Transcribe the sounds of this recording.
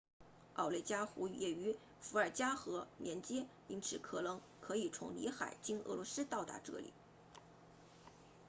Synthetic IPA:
ɑ̰˥˧˩ʊle˥˩ɪt͡ɕja˥xu˧˥˧jɛ˨˩y˧˥ | fu˧˥ə˞˨˩t͡ɕja˥xɤ˧˥mjɛ˧˥nt͡ɕjɛ˥ | i˧˥nt͡sʰɹ̩˧˩kʰɤ˨˩nɤ˧˥ŋ | kʰɤ˧˥i˨˩t͡sʰʊ̰˧˥ŋlḭ˧˥xa˨˩ɪt͡ɕi˥nɤ̰˧˩lwɔ˧˥sɹ̩˥t̪ɑ˥˩ʊt̪a̰˧˥ʈ͡ʂɤ̰˥˩lḭ˨˩˦

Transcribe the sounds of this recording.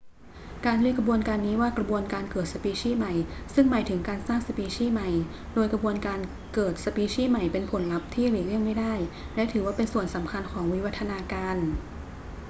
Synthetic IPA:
kaː˧nli˥əkʰa˧bu˧ənkaː˧nːiː˦˥waː˥˩kɾa˧bu˧ənkaː˧nkɤː˨˩t̪̚sa˧piː˧t͡ɕʰiː˥˩ma˨˩jsɯ˥˩ŋmaː˩˦jt̪ʰɯ˩˦ŋkaː˧nsaː˥˩ŋsa˧piː˧t͡ɕʰiː˥˩ma˨˩j | doː˧jkɾa˧bu˧ənkaː˧n | kɤː˨˩t̪̚sa˧piː˧t͡ɕʰiː˥˩ma˨˩jpe˧npʰo˩˦nla˦˥p̚t̪ʰiː˥˩liː˨˩li˥˩əŋma˥˩jdaː˥˩j | lɛ˦˥t̪ʰɯː˩˦waː˥˩pe˧nsu˨˩ənsa˩˦mkʰa˧nkʰɔː˩˦ŋwi˦˥wa˦˥t̪ʰːa˧naː˧kaː˧n

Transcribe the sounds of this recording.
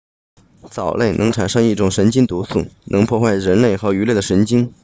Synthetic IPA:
t͡sɑ˨˩ʊlʔe˥˩ɪnʔɤ˧˥ŋʈ͡ʂʰa˨˩nʂɤ˥˧ŋi˥˩ʈ͡ʂʊ˨˩ŋʂə˧˥nt͡ɕi˥ŋt̪u˧˥su˥˩nʔɤ˧˥ŋpʰwɔ˥˧xwa˥˩ɪɻə˧˥nle˥˩ɪxɤ˧˥y˧˥le˥˩ɪd̪ə˩ʂə˧˥nt͡ɕi˥ŋ

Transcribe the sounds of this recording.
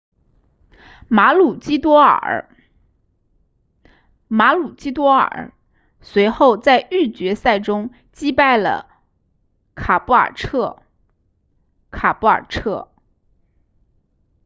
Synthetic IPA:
ma˧˥lu˨˩t͡ɕi˥t̪wɔ˥ə̰˨˩ | ma˧˥lu˨˩t͡ɕi˥t̪̬wɔ˥ə̰˞˨˩ | swe˧˥ɪxo˥˧ʊt͡sa˥˧ɪʔy˥˩t͡ɕɥɛ˧˥sa˥˩ɪʈ͡ʂʊ˥ŋ | t͡ɕi˥pa˥˩ɪlə̰˩ | kʰa˨˩pu˥˩ə̰˞˨˩ʈ͡ʂʰɤ˥˩ | kʰa˨˩pu˥˩ə̰˞˨˩ʈ͡ʂʰɤ˥˩

